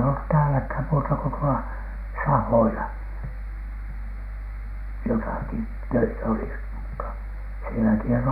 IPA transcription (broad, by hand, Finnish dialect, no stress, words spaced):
olːut tæːlækhæn muːtɑko tuolɑ sɑhoilɑ jotɑˑki tøitæ olis mutːɑ sielækihæn ne